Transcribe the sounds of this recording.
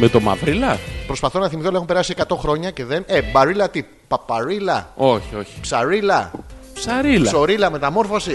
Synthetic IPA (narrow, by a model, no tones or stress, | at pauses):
met̪o̞mɐ̰vɾilɐpɾo̞spɐθo̞nɐθimiθolɐexumpeɾɐsie̞kɐt̪o̞xɾo̞ɲɐce̞ðe̞nebɐɾilɐt̪i | pɐpɐɾilɐoçioçi̥psɐɾilɐpsɐɾilso̞ɾilɐme̞t̪ɐmo̞ɾfosi